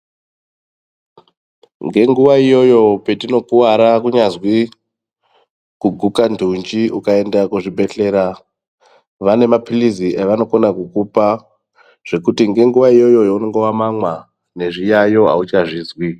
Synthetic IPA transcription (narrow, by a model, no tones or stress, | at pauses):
ŋɡe̞ŋɡuʋaijo̞jo̞pe̞tino̞kuwaɾakuɲazwi | kuɡʱukandʱund͡ʒiukae̞ndakuʐibʱe̞ɬe̞ːɾa | ʋane̞mapiliziʔeʋano̞konakukupa | ʐ̥e̞kutiŋɡe̞ŋɡuʋaijo̞jo̞jouno̞ŋɡo̞wamamwa | ne̞ʐijajo̞ɦa̰ut͡ʃaʐiːzwi